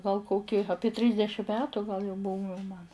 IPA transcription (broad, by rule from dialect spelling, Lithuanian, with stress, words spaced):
ɡɐlˠ ˈkoːkʲɪ ˈɑːpʲiɛ ˈtʲrʲiːzʲdʲɛʃʲɪm ˈmʲæːtʊ ɡɐlˠ jɛʊ ˈbuːʋʲɛ mɐn